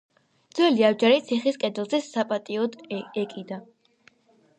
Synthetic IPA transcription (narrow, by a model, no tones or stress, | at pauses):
d̪zwɛliavd͡ʒaɾit̪sʰiχiskʼɛd̪ɛlˠzɛsapʼat̪ʼiɔd̪ɛkʼid̪a